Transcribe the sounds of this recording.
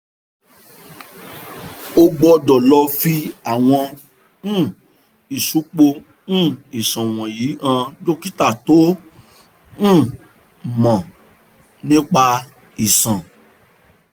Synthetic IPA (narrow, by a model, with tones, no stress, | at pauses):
o˧ɡ͡bɔ˧dɔ˨lɔ˧fi˦a˦˨w̃ɔ̃˧˦˨ | i˨su˨˦k͡po˧ | ũ˦˨i˨sã˨w̃ɔ̃˨ji˨˦ã˧d͡ʒo˦ki˦ta˦˨to˨˦ | ũ˦˨ | mã˨ | nĩ˦k͡pa˧ | i˨sã˨